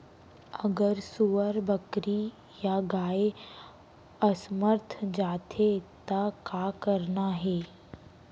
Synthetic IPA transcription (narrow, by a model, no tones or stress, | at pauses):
əɡəɾsuʋəɾbəkɾi | jaɡaːe | əsməɾt̪ʰd͡ʒaːt̪ʰet̪akaːkəɾnaɦɛː